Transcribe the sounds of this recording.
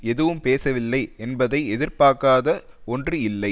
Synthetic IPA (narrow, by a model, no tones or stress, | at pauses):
ɛðɯʋɯmpeːsɐʋɪlːɐɪɛnbɐðɐɪɛðɪɾpaːɾkaːðɐ | ɔndrɯɪlːɐɪ